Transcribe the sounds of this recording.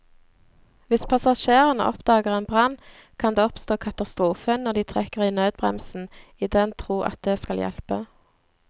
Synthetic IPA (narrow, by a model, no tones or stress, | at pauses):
ʋɪspʰɑsɑʃeːʁənə̰ʔɔ̰pd̪ɑːɡəʁeːnbʁɑn | kʰɑnd̪eːɔpst̪oːkʰɑt̪ɑst̪ʁuːfənɔʁd̪iːt̪ʰʁɛkəʁiːnøːd̪̚bʁɛ̰msn̩iːd̪ɛnt̪ʰʁuːʔɑ̰t̪̚d̪eːskɑljɛ̰lpə